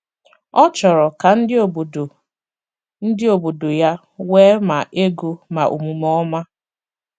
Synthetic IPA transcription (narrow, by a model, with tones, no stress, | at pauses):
ɔ˦t͡ʃɔ˨ɾɔ˨ka˨n̩˦dɪ˦o˨bo˨do˨ | n̩˦dɪ˦o˨bo˨do˨ja˦ | weː˦ma˨ʔe˦ɡo˦ma˨ʔṵ˨mu˨mɔ˦ma˦